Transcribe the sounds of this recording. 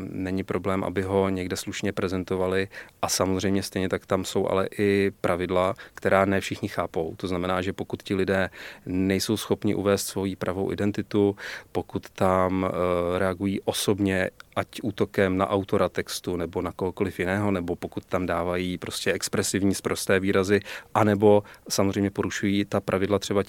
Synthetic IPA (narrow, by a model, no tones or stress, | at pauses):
nɛɲɪpɾo̞blɛːmʔa̰bɪɦo̞ɲɛɡdɛsluʃɲɛpɾɛzɛnt̪o̞valɪʔasamozr̝ɛjmɲɛst̪ɛjɲɛt̪akt̪amso̞wʔa̰lɛ̰ʔɪpɾʔavɪdlakt̪ɛɾaːnɛfʃɪxɲɪxaːpo̞wt̪oznamɛnaːʒɛpo̞kut̪cɪlɪdɛːnɛjso̞wsxo̞pɲɪ̰ʔṵvɛːst̪svo̞jiːpɾʔavo̞wʔɪ̰dɛnt̪ɪt̪upo̞kut̪ːamɾɛaɡujiːʔo̞so̞bɲɛʔacʔuːt̪o̞kɛmna̰ʔawt̪o̞ɾat̪ɛkst̪unɛbo̞nakoɦoko̞lɪfjɪnɛːɦo̞nɛbo̞pokut̪̚t̪amdaːvajiːpɾʔo̞scɛɛkspɾɛsɪvɲiːspɾo̞st̪ɛːviːɾazɪʔanɛbo̞samozr̝ɛjmɲɛpoɾuʃujiːt̪apɾʔavɪdlat̪r̥ɛba